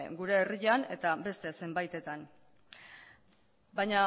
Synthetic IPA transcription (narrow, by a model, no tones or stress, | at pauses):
ɡuɾe̞ːriʎane̞t̪abe̞st̪e̞se̞mbajt̪e̞t̪an | bajɲa